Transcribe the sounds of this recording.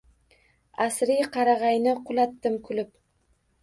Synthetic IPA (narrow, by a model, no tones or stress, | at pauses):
asɾijqʰɑɾɑʁɑjnɪqʰʊlˠɑt̪ːɪmkʰʊlɪp̚